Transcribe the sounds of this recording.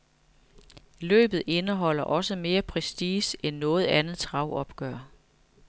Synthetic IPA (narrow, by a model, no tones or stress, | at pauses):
lø̰ːb̥ð̞̩ˠe̝nəɦɒ̽l̰ɐʔɒ̽səme̝ːɐpʰʁɛsd̥iːsenːɔ̽ːð̞̩ˠænð̩ˠt͡sʰʁɑ̈ʊ̰ɒ̽b̥ɡ̥œɐ̰